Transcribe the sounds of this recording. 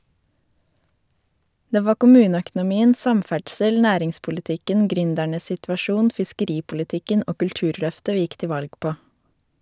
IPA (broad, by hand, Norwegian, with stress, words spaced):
ˈdeː ˈʋɑː kʊˈmʉːnəœkn̩ʊˌmiːən ˈsɑmˌfæɖsəl ˈnæːɾɪŋspʊlɪˌtɪkən ˈɡɾʏndæɳəs ˌsɪtʋɑˈʃuːn fɪskəˈɾiːpʊlɪˌtɪkən ˈoː kʉlˈtʉːɾˌlœftə ˈʋiː ˈɪk ˈtɪ ˈʋɑlɡ ˈpoː